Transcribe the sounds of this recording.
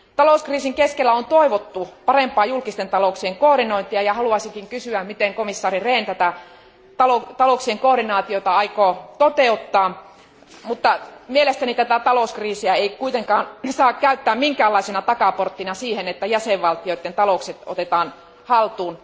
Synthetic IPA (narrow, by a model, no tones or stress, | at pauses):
t̪ɑloˑuskriːsiŋkeskelːæont̪oiʋot̪ːupɑrempɑːjulkist̪ent̪ɑloˑksieŋkoːɾinoint̪iɑjɑhɑluɑsiŋkiŋkysyæmmit̪eŋkomisːɑːrireːnt̪æt̪æ | t̪ɑlot̪ɑloˑksieŋkoːrɾinɑːt̪iot̪ɑɑikoːt̪ot̪eut̪ːɑː | mut̪ːɑmielest̪ænit̪æt̪æt̪ɑloˑuskriːsiæeikuit̪eŋkɑːnsɑːkkæyt̪ːæːmmiŋkæːlːɑisenɑt̪ɑkɑport̪ːinɑsiːhenet̪ːæjæseʋʋɑlt̪ioit̪ːent̪ɑloˑkset̪o̰t̪et̪ɑːn | hɑlt̪uːn